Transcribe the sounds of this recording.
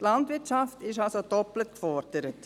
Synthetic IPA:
tlɑndʋɪɐt͡ʃɑftɪʃɑlsod̥ɔplətkfɔɾd̥əɾət

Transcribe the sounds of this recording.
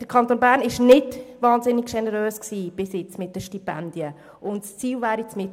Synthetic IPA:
d̥əɾkʰɑnt̪oːnbæːɾnɪʃnɪdʋɑːnzɪnɪɡʃɛnəɾøːsksiːb̥ɪsɪt͡smɪt̚d̥əʃtipɛnd̥̪ijə | ʔʊntst͡siːlʋæːɾit͡smɪt

